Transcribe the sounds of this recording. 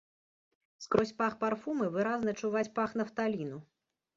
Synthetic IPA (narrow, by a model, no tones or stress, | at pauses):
skɾɔsʲpaxparfumɨvɨɾaznɐt͡ʂuvat͡sʲpaxn̪ɐft̪alʲinu